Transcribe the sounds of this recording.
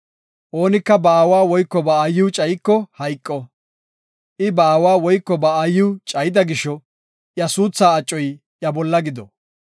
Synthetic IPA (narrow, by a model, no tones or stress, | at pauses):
ʔo̞ːnɪkːɐbɐːwaːwɔjkːɔbɐːjːuːt͡ʃʼɐjkːɔhɐjkʼːɔ | ʔɪbɐaːwaːwɔjkːɔbɐajːuːt͡ʃʼɐjɪd̪ɐɡɪʃɔ | ʔjɐsuːt͡sːaːɐt͡ʃʼːɔj | jɐbɔlːɐɡɪd̪ɔ̰